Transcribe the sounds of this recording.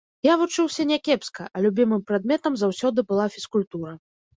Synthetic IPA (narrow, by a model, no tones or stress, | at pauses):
javut͡ʂɨwsʲɐnʲɛkʲɛpskɐʔɐlʲubʲimɨmpɾad̪̚mʲɛt̪ɐmzawsʲɔd̪ɨbɨlˠafʲiskulʲt̪uɾɐ